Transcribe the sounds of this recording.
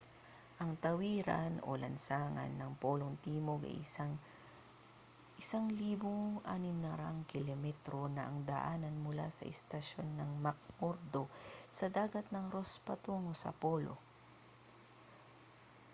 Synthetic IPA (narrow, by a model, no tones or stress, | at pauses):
ʔɐŋt̪ɐwiːɾɐno̰lɐnsaːŋɐ̰nːɐŋpoːloŋt̪iːmoɡɐ̰j | ʔɪsaŋliːboŋʔaːnɪmnɐɾaʔŋkɪlɛmɛt̪ɾo̞nɐʔɐŋd̪ɐʔaːnɐnmʊla̰sɐ̰ʔɛst̪ɐʃo̞nːɐŋmɐk̚moɾd̪o̞sɐd̪aːɡɐt̪̚nɐŋɾospɐt̪uŋosɐ̰poːlo̰